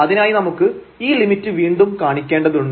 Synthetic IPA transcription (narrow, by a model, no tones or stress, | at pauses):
ɐðinaːjinɐmukːɨ | iːlimitːɨʋiːɳɖumkaːɳikʲːeːɳɖɐðuɳɖ